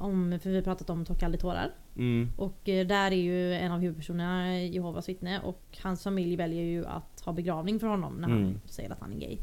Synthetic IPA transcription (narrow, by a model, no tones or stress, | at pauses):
ʔɔmfœɾvɪhapɾɑːt̪at̪ɔmt̪ʰɔkʰːalət̪ʰoːɾə̰ɾ | ʔɔkd̪æɾæɾjɵɛnːavhʉ̟ːd̪pʰæʂuːnənajɛhoːvasvɪt̪nəʔɔ̰khansfamɪljvɛljəɾjɵa̰t̪hɑːbɛɡɾɑːvnɪŋfœɾhɔnːɔ̰mnæɾha̰nsɛ̰jːəɾat̪hanɛ̰ɡɛ̰j